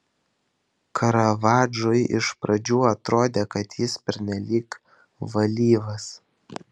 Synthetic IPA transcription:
kʰɐɾɐʋɑːd͡ʒʊjʔɪ̰ʃpɾʔɐd͡ʒʲuːɐt̪ɾoːd̪ʲeːkɐt̪jɪspʲɛɾʲnʲɛlʲiːk | ʋɐlʲiːʋɐs

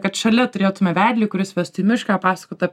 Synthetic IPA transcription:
kɐt̪ʃɐlʲɛt̪ʊɾʲeːt̪ʊmʲɛʋʲæːd̪ʲlʲiːkʊɾʲɪsʋʲɛst̪ʊimʲɪʃkɑːpɑːsɐ̥koːt̪ɐ

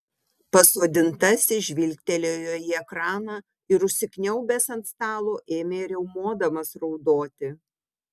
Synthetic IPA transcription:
pɐsoːd̪ʲɪnt̪ɐsʲɪʒʲʋʲilʲkt̪ʲɛlʲoːjoːjiɛkɾɑːnɑ | ɪɾʊʃʲsʲɪknʲɛʊbʲɛsɐnt̪st̪ɑːlˠoːʔeːmʲeɪɾʲɛʊmoːd̪ɐmɐsɾɒʊd̪oːt̪ʲɪ

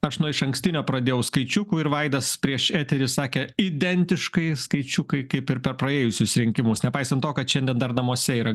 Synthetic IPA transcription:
ɐʃnʊɪʃɐŋksʲt̪ʲɪnʲoːpɾɐd̪ʲeːjɛʊskɐɪt͡ʃʲʊkuːɪɾʋɐɪd̪ɐspʲɾʲiɛʃæːt̪ʲɛɾʲɪssɑːkʲɛid̪ʲɛnʲt̪ʲɪʃkɐɪskɐɪt͡ʃʲʊkɐɪkɐɪpɪɾpʲɛɾpɾɐeːjʊsʲʊsɾʲɪŋʲkʲɪmʊsnʲɛpɐɪsɐnt̪oːkɐt̪ʃʲɛnʲd̪ʲiɛnd̪ɐrnɐmoɔsʲɛiːɾɐ

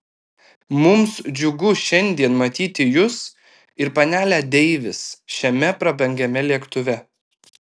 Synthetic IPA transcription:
mʊmsd͡ʒʲʊɡʊʃʲɛnʲd̪ʲiɛnmɐt̪ʲiːt̪ʲɪjʊs | ɪɾpɐnʲæːlʲæːd̪ʲɛɪʋʲɪsʃʲɛmʲɛpɾɐbʲɛŋʲɡʲɛmʲɛlʲiɛkt̪ʊʋʲɛ

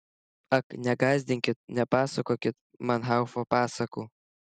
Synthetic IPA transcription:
ɐknʲɛɡɑːzʲd̪ʲɪŋʲkʲɪt̪̚nʲɛpɑːsɐkoːkʲɪt̪ | mɐnɦɑʊfopɑːsɐkuː

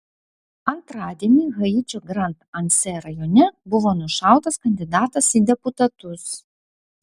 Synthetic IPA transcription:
ɐnt̪ɾɑːd̪ʲiɛnʲiɣɐjɪt͡ʃʲɔɡɾɐnt̪ɐnʲsʲɛɾɐjɔnʲɛbʊʋoːnʊʃɑˑʊt̪ɐskɐnʲd̪ʲɪd̪ɑːt̪ɐsid̪ʲɛpʊt̪ɐt̪ʊs

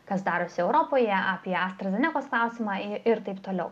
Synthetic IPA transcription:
kɐsd̪ɑːɾoːsʲɪɛʊɾoːpoːjɛaːpʲiɛɐːst̪ɾɐzʲɛnʲɛkoːsklˠɑˑʊsʲɪmɑːɪɾt̪ɐɪpt̪oːlʲɛʊ

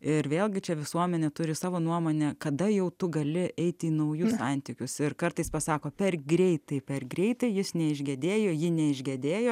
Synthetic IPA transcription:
ɪɾʋʲeːlˠɡʲɪt͡ʃʲɛʋʲɪsuɔmʲɛnʲɛt̪ʊɾʲɪsɑːʋoːnuɔmoːnʲɛkɐd̪ɐjɛʊt̪ʊɡɐlʲɪʔʔɛɪt̪ʲiːnɐʊjʊssɐnʲt̪ʲiːkʲʊsɪrkɐrt̪ɐɪspɐsɑːkoːpʲɛrɡɾʲɛɪt̪ɐɪpʲɛrɡɾʲɛɪt̪ɐɪjɪsnʲɛɪʒʲɡʲɛd̪ʲeːjoːjɪnʲɛɪʒʲɡʲɛd̪ʲeːjoː

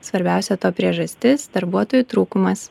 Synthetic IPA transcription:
sʋɐɾʲbʲæˑʊsʲɛt̪oːpʲɾʲiɛʒɐsʲt̪ʲɪsd̪ɐɾbuɔt̪oːjuːt̪ɾuːkʊmɐs

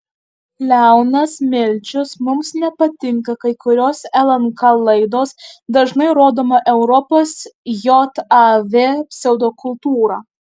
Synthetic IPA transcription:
lʲæˑʊnɐsmʲɪlʲt͡ʃʲʊsmʊmsnʲɛpɐt̪ʲɪŋkɐkɐɪkʊɾʲoːsɛlˠɐŋkɑlˠɐɪd̪oːsd̪ɐʒnɐɪɾoːd̪oːmɐʔɛʊɾɔpoːsjɔt̪ɑʋʲeːpʲsʲɛʊd̪oːkʊlˠt̪uːɾɑː

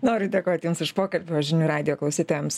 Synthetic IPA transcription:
noːɾʲʊd̪ʲeːkoːt̪ʲjumsɪʃpoːkɐlʲbʲʊʋɐʒʲɪnʲuːɾɑːd̪ʲɪjoːklˠɐʊsʲiːt̪oːjɛms

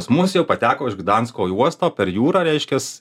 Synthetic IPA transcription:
pɐsmʊsjɛʊpɐt̪ʲæːkoːɪʃɡd̪ɑnskoːjuɔst̪oːpʲɛɾjuːɾɑːɾʲɛɪʃʲkʲɛs

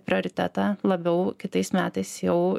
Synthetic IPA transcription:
pʲɾʲɪoːɾʲɪt̪ʲæ̰ːt̪ɑːlˠɐbʲɛʊkʲɪt̪ɐɪsmʲæːt̪ɐɪsjɛʊ

